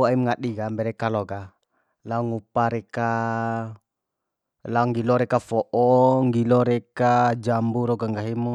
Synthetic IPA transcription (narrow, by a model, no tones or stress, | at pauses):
aimŋaɗiɡambɛɾɛkalɔɡa | lauŋupaɾeka | laŋɡilɔɾɛkafɔʔɔŋɡilɔɾɛkad͡ʒambuɾɔɡaŋɡaɦimu